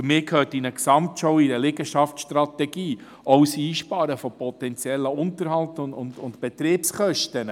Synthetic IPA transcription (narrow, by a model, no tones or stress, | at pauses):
əmɪːkʰhøːtinəksɑmtʃɔʊiɾəlɪɡəʃɑftsʃtɾɑt̪ɛɡ̥iː | ɔwsiːʃpɑːɾəfɔpʰɔt̪ɛnt͡sjɛlːəʊntəɾɦhɑltʊnʊ̰ndʊntbɛtɾeːpsχœʃtən